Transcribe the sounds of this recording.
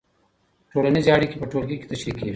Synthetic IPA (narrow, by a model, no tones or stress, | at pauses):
ʈʰolanizeaɽikepəʈʰolɡike̥t̪ɐʃɾikewi